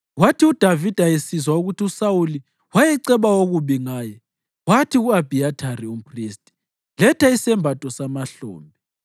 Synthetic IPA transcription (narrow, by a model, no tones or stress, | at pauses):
watʰiud̥ʱavid̥ʱajesizwauɣutʰiusawuli | wajɛǀɛβaoɣuβiŋaːjɛ | watʰiɣuab̥ʱiatʰarium̩pʰristʼi̥ | lɛtʰaisɛmbʱatʼɔsamaɬɔ̰ːmbʱɛ